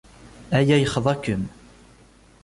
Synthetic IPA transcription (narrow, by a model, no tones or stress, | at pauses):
ʔæjæjəχðˤɑkəm